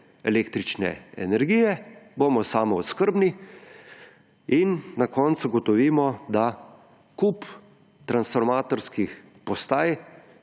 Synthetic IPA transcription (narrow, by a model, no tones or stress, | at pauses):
ɛleːkt̪ɾit͡ʃnɛ̰ɛ̰nɛɾɡiːjɛboːmɔsaːmɔɔt̪skəɾbni | inːakɔːnt̪suɡɔt̪ɔʋiːmɔd̪a | kup | t̪ɾansfɔɾmaːt̪ɔɾskix | pɔst̪aːj